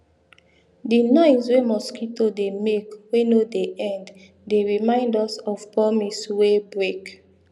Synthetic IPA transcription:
dinɔ̃ɪ̃swemɔskitodemekwenodeʔɛ̃nd | deɹimãɪ̃ndɔsɔv̥pɹɔmiswebɹek

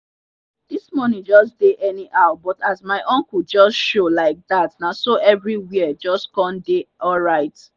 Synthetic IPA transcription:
d̥ismɔnĩd͡ʒɔsdeʔɛniʔaʊbɔtazmaɪʔɔ̃ŋkuld͡ʒɔsʃolaɪk̚ðatnasoʔɛvɹiwiəd͡ʒɔstkɔ̃ndeɔlɹaɪt

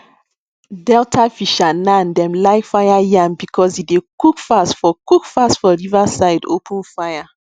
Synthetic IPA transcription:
dɛltʰafiʃanãndɛ̃mlaɪkfajajãmbikʰɔsidekukfastfɔkukfastfɔɹivasaɪdo̰pʰũnfaja

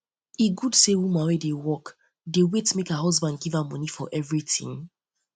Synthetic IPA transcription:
iɡudsewumãwedewɔk | dewetmekaɦɔzbãnd̚ɡivamɔnifɔʔɛvɹitḭ̃ŋ

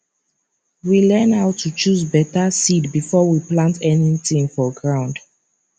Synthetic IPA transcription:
wilɛ̃naʊtʰːut͡ʃuzbɛtasidbifɔwiplãntɛnitĩŋfɔɡɹãʊ̃nd̥

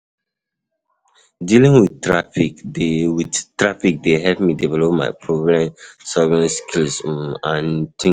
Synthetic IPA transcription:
dilĩŋwidtɹafikwidtɹafik̚deɦɛlpmidivɛlɔpma̰ɪpʰɹoɡɹãmsɔvɛɹiskʰilsãntʰĩ

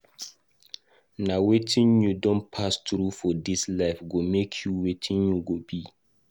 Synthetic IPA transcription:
nawetʰĩnjudɔ̃npʰastɾufɔdislaɪfɡomekʰjuwetʰĩnjuɡobi

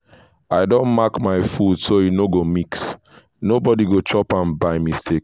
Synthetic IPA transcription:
aɪdõnmakmaɪfudsojinoɡomiks | nobɔdiɡot͡ʃɔpãnbaɪmistʰek

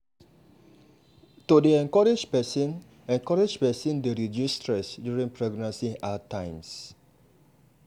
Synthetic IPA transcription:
tudeɛ̃ŋkɔɹed͡ʒpɛsĩn | ɛ̃ŋkɔɹed͡ʒpɛsĩndeɹid͡ʒjustɹɛsdjuɹĩŋpɹɔɡnãnsiatãj̃ms

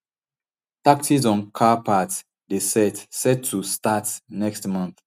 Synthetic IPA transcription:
taktizɔ̃nkʰapʰats | desɛtsɛd̚tʰːustatnɛkstmãnθ

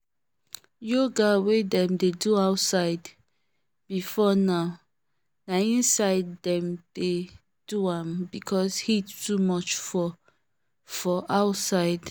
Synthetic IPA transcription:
joɡawedɛ̃mdeduaʊtsaɪd | b̥ifɔnaʊ | naĩnsaɪdːɛ̃md̥e | d̥uãmbikʰɔshittumɔt͡ʃfɔ | fɔʔaʊtsaɪd

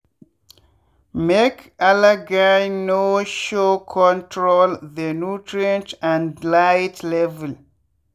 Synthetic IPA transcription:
mekʰalaɡaɹnoʃokʰɔ̃ntʰɹolðənutʰɹiɛ̃ntãndlajtlɛvɛl

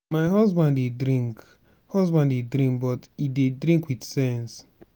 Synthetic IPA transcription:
maɪɦɔzbãndedɾĩŋk | hɔzbãndedɾĩŋkbɔtidedɾĩŋkwiθsɛ̃ns

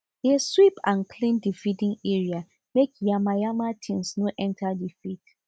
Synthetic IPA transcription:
heswipãnkʰlĩndifidĩŋeɹia | mekjamajamatʰĩnsnoʔɛ̃ntʰadifit

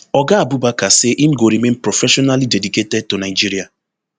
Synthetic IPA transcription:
ɔɡaabubakaseʔim̩ɡoɾimenpɾofɛʃɔnalidediketɛd̚tonaɪd͡ʒiɾia

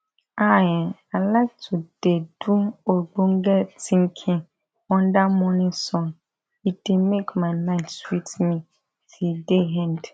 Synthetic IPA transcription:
ajɛ̃alak̚tʰud̥eduoɡ͡bõŋɡɛtʰĩŋkʰɪ̃ŋ | wɔ̃ndamɔ̃nɪ̃sɔ̃n | id̥emekmãlãɪnswitmĩ | tʰideɦɛ̃nd

